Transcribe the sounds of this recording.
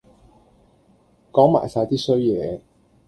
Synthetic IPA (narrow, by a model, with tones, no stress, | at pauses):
kɔː˨˥ŋma̰ː˨˩jsaː˨˧t̪iː˥sɵ˥ɥjɛː˨˧